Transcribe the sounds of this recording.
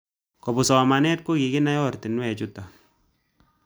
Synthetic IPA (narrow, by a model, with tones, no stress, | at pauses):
kɔ˨bu˨sɔ˨ma˨nɛ˦t̚ko˦ki˨ɡɪ˦na˦jɔ˦rti˨n˦wɛ˨t͡ʃu˦ta˨